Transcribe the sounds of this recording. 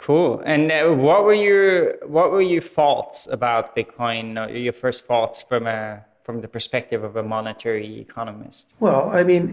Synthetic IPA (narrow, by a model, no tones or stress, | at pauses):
kʰulˠɨ̃nwʌt̚wə˞jə˞wʌʔ̚wə˞jə˞fɔlˠtsə̰baʊt̚b̥ɪkʰɔ̃ɪ̃nʔə̰˞jə˞fɜ˞stfɔlˠtsfɹʌ̃mɨ | fɹʌ̃mðəpʰə˞spɛk̚tɨvʌvəmɑnɨtʰɛɹiɪ̰kʰɑnəmɪ̰st̚wɛlˠaɪmĩn